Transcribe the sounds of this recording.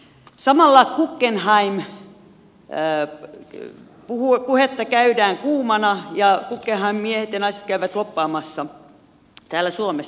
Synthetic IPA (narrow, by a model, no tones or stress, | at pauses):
sɑmɑlːɑkukːenhɑim | puhuepuhet̪ːɑkæydæːŋkuːmɑnɑjɑkukːenhɑimmiehet̪jɑnɑiset̪̚kæyʋæt̪lopːɑːmɑsːɑ | t̪æːlæsuomes